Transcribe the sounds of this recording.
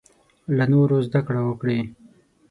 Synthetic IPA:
lanoɾozd̪akɽawəkɽe

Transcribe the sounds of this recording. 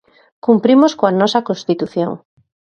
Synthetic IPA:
kumpɾimoskoanɔsɐkõnst̪it̪uθjo̰ŋ

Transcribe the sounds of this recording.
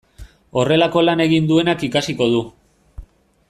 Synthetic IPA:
o̞re̞lako̞lane̞ɣind̪ue̞nakikasiko̞ðu

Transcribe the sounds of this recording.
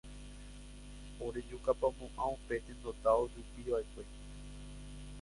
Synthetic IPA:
oɾe̞d͡ʒukapamõʔãupe̞ʔ̪ẽnd̪o̞t̪aosupiʋaekʷe̞

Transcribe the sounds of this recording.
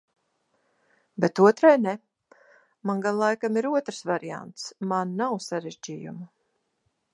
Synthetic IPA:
bet̪uɔt̪ɾajnɛ | manɡanlˠajkamiɾuɔt̪ɾsvaɾia̰nt̪smanːawsaɾeʒd͡ʒiːjṵmu

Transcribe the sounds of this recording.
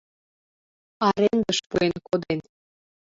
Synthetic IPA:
ɑɾend̪ə̆ʃpuenkod̪en

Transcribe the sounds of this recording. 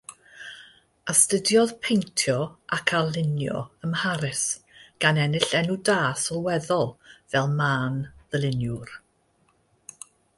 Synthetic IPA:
astədjɔð̥pʰejntʰjɔʔakʰalˠɪnjɔ̰əmhaɾɨsɡ̥anɛnɪɬɛnudaːsɔlˠwɛðɔlˠvɛlˠmaːnðəlˠɪnjʊr

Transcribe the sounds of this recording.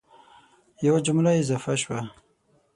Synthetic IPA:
jawad͡ʒʊmɾaɪzɑfaʃwa

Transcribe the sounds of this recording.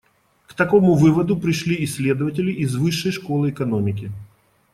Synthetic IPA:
kt̪ɐko̞mʊvɨvəd̪ʊpɾʲɪʂlʲiɪsʲlʲed̪əvətʲɪlʲɪʔɪzvɨʂːəjʂkolˠɨɛkɐnomʲɪkʲɪ

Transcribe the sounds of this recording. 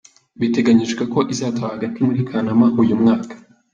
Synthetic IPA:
βite̞ɡaɲiʒɡeko̞ʔizaːtaβahaɡatimuɾikʰanamahujumŋaːkḁ

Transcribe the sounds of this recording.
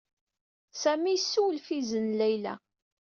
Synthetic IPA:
sæmijsːuwəlfizənlæjlæ̰

